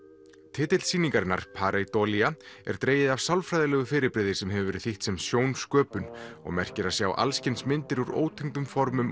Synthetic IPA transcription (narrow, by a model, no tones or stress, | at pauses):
t̪ʰɪːt̪ɪlsiːniŋkaɾɪnːa̰ɾ̥pʰaːɾejt̪ɔːliaɛ̰ɾ̥t̪ɾeːjɪðavsawlfɾajðɪlɛːɣʏfɪːɾɪɾpɾɪːðɪ̥sɛmɦɛvʏvɛɾɪðθiht̪sɛmsjoːwnskœːpʏnɔ̰ɣmɛr̥cɪɾasjaːwʔa̰lscɪnsmɪnt̪ɪɾuɾo̰ːwt̪ʰɛŋt̪ʏmfɔɾmʏm